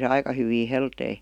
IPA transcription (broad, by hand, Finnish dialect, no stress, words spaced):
se ɑikɑ hyʋiː heltei